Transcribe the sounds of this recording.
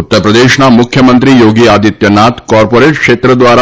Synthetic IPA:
ut̪ːəɾpɾəd̪eʃnamukʰjəmənt̪ɾijoɡiad̪it̪jənat̪kɔɾpoɾeʈkʃet̪ɾəd̪ʋaɾa

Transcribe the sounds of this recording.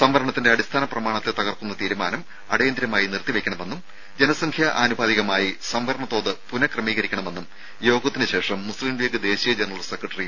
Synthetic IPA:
sɐmʋɐɾɐɳɐt̪ːinde̞ɐɽist̪ʰaːnɐprɐmaːɳɐt̪ːet̪ɐɣɐrk̪unːɐt̪iːɾumaːnɐm | ɐ̰ɽejɐnd̪ɾjɐmaːjinirt̪iʋekʲːɐɳɐme̞nːum | d͡ʑe̞nɐsɐŋkʰjɐʔaːnubaːðiɣɐmaːjisɐmʋɐɾɐɳɐt̪ːo̞ːðɨpunɐkrɐmiːɣɐɾikʲːɐɳɐme̞nːum | jo̞ːɡɐt̪ːinɨɕe̞ːʂɐmːuslimʋeːɡɨd̪e̞ːɕijɐd͡ʑenɐrɐlsekrɐʈːɐri

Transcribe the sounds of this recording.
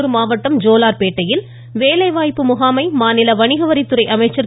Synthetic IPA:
ɾɯmaːʋɐʈːɐmd͡ʒoːlaːɾpeːʈːɐjɪl | ʋeːlɐɪʋaːjpːɯmʊɣaːmɐɪmaːnɪlɐʋɐɳɪɣɐʋɐɾɪt̪ːɯɾɐɪʔɐmɐɪt͡ʃːɐɾ

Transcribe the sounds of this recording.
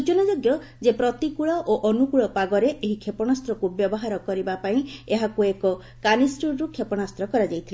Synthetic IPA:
ut͡ʃɔnad͡ʒoɡjɔ | d͡ʒepɾɔt̪ikuɭɔʔoʔɔnukuɭɔpaɡɔɾeʔeɦikʰepɔɽ̃ast̪ɾɔkubjɔbɔɦaɾɔkɔɾibapaĩeɦakuekɔ | kanisʈuɾɾukʰepɔɽ̃ast̪ɾɔkɔɾad͡ʒajt̪ʰile

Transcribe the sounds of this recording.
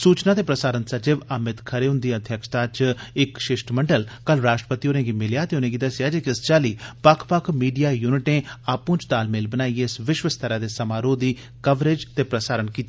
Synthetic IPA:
suːt͡ʃnãːt̪eːpɾəsaːɾənsəd͡ʒɪʋamɪt̪kʰəɾeːɦʊ̃nd̪iːəd̪ʱjəkʃt̪aːt͡ʃɪkʃɪʃʈmə̃ɳɖəlkəlɾaːʃʈɾəpət̪ionẽːɡimɪljaːt̪eːʊnẽːɡiːd̪əsɪjaːd͡ʒeːkɪst͡ʃaːliːpəkʰpəkʰmiːɖijaːjuːnɪʈẽːaːpũːt͡ʃt̪aːlmeːlbənaːiːeɪsʋɪʃʋəst̪əɾãːd̪eːsəmaːɾoːd̪iː | kəʋɾed͡ʒt̪eːpɾəsaːɾənkiːt̪ː

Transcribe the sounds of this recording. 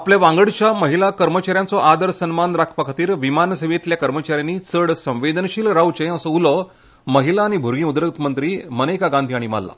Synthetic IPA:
apljaʋãŋɡəɽt͡ɕjaməɦilakəɾmət͡ɕaɾjãnt͡sɔʔad̪əɾsənmanɾakʰpakʰat̪iːɾʋimansəmet̪ljakəɾmət͡ɕaɾjanːiːt͡səɽsə̃ʋed̪ənɕiːlɾawt͡ɕẽəsɔulɔ | məɦilaːɽ̃ibʱuɾɡĩːud̪ɾək̚t̪mənt̪ɾiːmənekaɡand̪ʱiːaɽ̃ima̰lːa̰

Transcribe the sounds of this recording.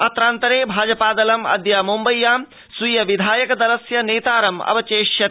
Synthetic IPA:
ɐt̪ɾaːnt̪ɐɾeːbʱaːd͡ʒɐpaːd̪ɐlɐmɐ̰d̪jaːmumbɐjːaːm | sujɐʋid̪ʱaːjɐkɐd̪ɐlɐsjɐneːt̪aːɾɐmɐ̰bɐt͡ʃeːʃjɐ

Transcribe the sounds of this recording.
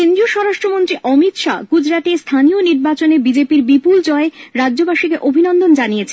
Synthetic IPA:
end̪ɾioʃɔɾaʃʈɾomont̪ɾiʔɔmit̪ʃa̰ɡud͡ʑɾat̪est̪ʰanioniɾbat͡ɕonebid͡ʑepiɾbipuld͡ʑɔeɾadːʑobaʃikeʔobʱinɔnd̪ʱond͡ʑanijet͡ɕʰe

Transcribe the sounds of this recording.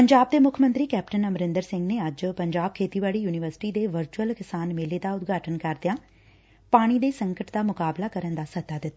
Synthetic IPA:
pəɲd͡ʒaːb̚d̪eːmʊkʰəmə̃nt̪ɾiːkɛːp̚ʈənəmɾɪ̃nd̪əɾsɪ̃ŋɡneːəd͡ʒpəɲd͡ʒaːb̚kʰeːt̪iːʋaːɽijuːnɪʋəɾsɪ̥ʈiːd̪eːʋəɾt͡ʃuəlkɪsaːnmeleːd̪aːʊt̪ɡaːʈənkəɾd̪ɪjãː | paːɽ̃id̪eːsə̃ŋkəʈd̪aːmʊkaːblaːkəɾənd̪aːsət̪ːaːd̪ɪt̪ːa

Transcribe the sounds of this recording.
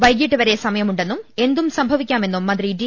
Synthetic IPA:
ʋɐjkːjiʈːɨʋɐɾe̞sɐmɐjɐmuɳɖe̞nːume̞nd̪umsɐmbʱɐʋikʲːaːme̞nːumːɐnd̪ridi

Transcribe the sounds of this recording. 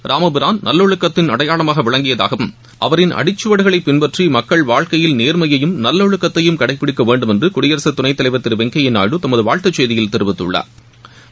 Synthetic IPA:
ɾaːmɐbɪɾaːnnɐlːoɻɯkːɐt̪ːɪnɐɽɐjaːɭɐmaːɣɐʋɪɭɐŋɡɪjɐða̰ːɣɐʋɯm | ʔɐ̰ʋɐɾɪnʔɐ̰ɽɪt͡ʃːɯʋɐɽɯɣɐɭɐɪpːɪnbɐʈrimɐkːɐɭʋaːɻkɐjɪlneːɾmɐjɐjɯmnɐlːɐɻɯkːɐt̪ːɐjɯmkɐɽɐɪpːɪɽɪkːɐʋeːɳɖɯmɛndrɯkʊɽɪjɐɾɐsɐt̪ːʊnɐɪt̪ːɐlɐɪʋɐt̪ːɪɾʋɛŋkɐjɪnːa̰ːjɽɯt̪ɐmɐðɯʋaːɻt̪ɐt͡ʃːeːðɪjɪlt̪ɪɾɯʋɪt̪ːɯ̰ɭːɐ̰

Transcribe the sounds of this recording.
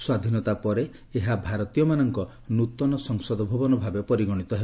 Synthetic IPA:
swad̪ʱinɔt̪apɔɾe | eɦabʱaɾɔt̪ijɔmanɔŋkɔ | nut̪ɔnɔsɔŋsɔd̪ɔbʱubɔnɔbʱabepɔɾiɡɔɽ̃it̪ɔɦebɔ

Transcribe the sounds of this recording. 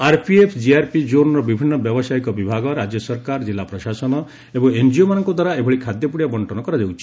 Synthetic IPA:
aɾpʰiepʰd͡ʒiaɾpid͡ʒonɔɾɔbibʱinːɔbjɔbɔsajkɔbibʱaɡɔɾad͡ʒjɔsɔɾkaɾd͡ʒilːapɾɔʃasɔnɔ | ebɔŋend͡ʒiomanɔŋkɔd̪ʱwaɾaebʱɔɭikʰad̪jɔpuɽijabɔɳʈɔnɔkɔɾad͡ʒewt͡ʃʰi̥

